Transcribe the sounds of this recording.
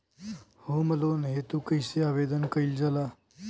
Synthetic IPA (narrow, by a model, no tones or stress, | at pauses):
homəlonɦet̪ukəjseaʋed̪ənkəiːld͡zala